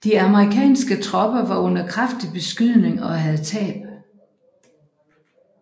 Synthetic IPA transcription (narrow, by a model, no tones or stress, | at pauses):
d̥iɑməʁikʰɛ̰ːnsɡ̥ət͡sʰʁɒ̽b̥ɐʋɑ̈ɔ̽n̰ɐkʰʁafd̥ib̥e̝sɡ̥yð̰ˠne̝ŋɒ̽ɦæð̞ˠt͡sʰɛ̰ːb̥